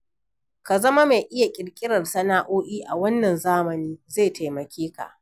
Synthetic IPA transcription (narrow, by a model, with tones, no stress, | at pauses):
ka˨zɐ˦ma˦ma˨ʔɪ˦ja˨kʲʼɪ˨ɽkʲʼɪ˦ɽɐ˨rsɐ˦naː˦ʔoː˦ʔiː˦ʔa˨wɐ˦nːɐ˨nzaː˦mɐ˨niː˦ze˦˨tʰa˨jmɐ˨kʲeː˦ka̰˨ʔ